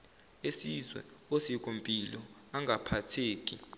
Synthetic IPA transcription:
esizwɛ̰osik̬ʼompʼilɔ | aŋɡʱapʰatʰeːk̬ʼi

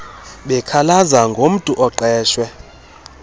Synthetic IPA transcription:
ɓɛkʰalazaŋɡʱom̩tʼuʔɔǃɛːʃwɛ

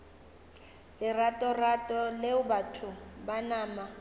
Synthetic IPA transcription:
lɪratʼɔratʼɔleʊbatʰʊbanaːma

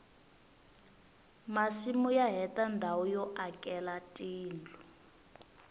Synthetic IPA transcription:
masimujaɦɛtandʱawɔjɔʔakʼɛlatʼiːnd͡ɮʱu

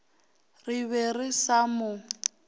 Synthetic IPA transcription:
rɪβɛrɪsamʊ

